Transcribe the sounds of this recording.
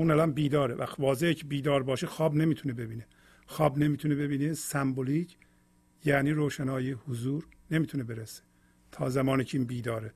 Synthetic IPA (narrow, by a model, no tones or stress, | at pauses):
uːnælæmbiːd̪ɒːɾevʔæ̰xvɒːzehecʰebiːd̪ɒːɾbɒːʃexɒːbne̞miːt̪ʰunebe̞biːne | xɒːbne̞miːt̪ʰunebe̞biːnesæmbolicʰ | jæːniːɾoːʃænɒːjehʊzuːɾne̞miːt̪ʰunebeɾese̥ | t̪ʰɒ̰ːzæmɒːniːcʰeiːnbiːd̪ɒːɾe